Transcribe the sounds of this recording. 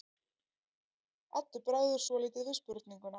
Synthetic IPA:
at̪ːʏɾpɾaɣðʏɾ̥svɔliːt̪ɪvɪspʏɾt̪niŋkʏna

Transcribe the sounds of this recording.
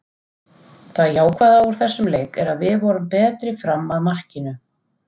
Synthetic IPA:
θaðjaːwkʰvaðauɾ̥θɛsːʏmleːjkɛɾaðvɪðvɔɾʏmpɛːt̪ɾɪfɾamːaðmar̥cɪnʏ

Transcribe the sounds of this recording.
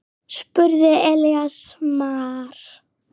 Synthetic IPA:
spʏɾðɪɛljasmaːɾ̥

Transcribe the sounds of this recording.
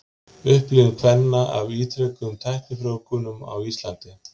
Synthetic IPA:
ʏhplɪɣkʰvɛnːaʔa̰viːt̪ʰɾœkʏmt̪ʰajhk̪ɪfɾoːwkʏnʏma̰wist̪lant̪ɪ

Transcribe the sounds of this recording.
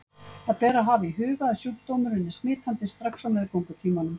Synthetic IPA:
θaðpɛːɾaɦavɪiɦʏːɣaːðsjult̪oːwmʏɾɪnːɪsmɪːt̪ʰant̪ɪst̪ɾaksɔwmɛːðɪɾkowŋkʏt̪ʰiːmanʏm

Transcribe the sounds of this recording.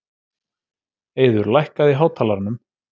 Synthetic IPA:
eːjðʏɾlajhkaðiɦaːwt̪ʰaːlaɾnʏm

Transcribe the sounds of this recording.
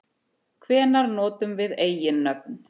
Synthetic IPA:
kʰvɛːnaɾnɔːt̪ʏmvɪðeːjjɪnːœp̚n

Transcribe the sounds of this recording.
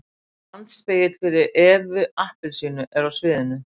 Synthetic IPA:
lant̪speːjɪt̪l̥fɪɾɪɾʔɛːvʏahpɪlsiːnʏʔɛɾawsvɪːðɪnːʏ

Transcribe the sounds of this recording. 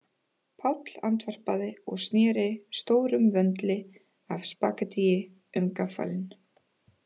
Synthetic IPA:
pʰawt̪l̥a̰nt̪ʰvɛr̥paðɪɔɣst̪nɛːɾɪst̪oːwɾʏmvœnt̪lɪ | avspa̰ːkat̪ijɪ | ʏmkafa̰lɪn

